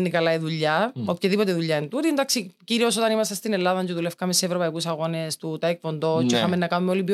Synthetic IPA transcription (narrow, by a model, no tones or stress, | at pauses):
nːikɐlɐiðuʎːɐopçɐðipo̞t̪eðuʎːɐint̪ut̪ind̪ɐksiciɾio̞s̬o̞t̪ɐnimɐst̪ɐst̪inelːɐðɐnd͡ʒuðulefkɐmeseːvɾopɐikusɐɣo̞nest̪ut̪ɐek̚po̞nd̪o̞t͡ʃixɐmenːɐkɐnumeolipj